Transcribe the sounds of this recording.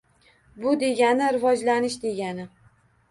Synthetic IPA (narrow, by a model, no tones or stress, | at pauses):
bʊd̪e̞ɡʲanɪɾɪvɒd͡ʒlanɪʃd̪e̞ɡʲanɪ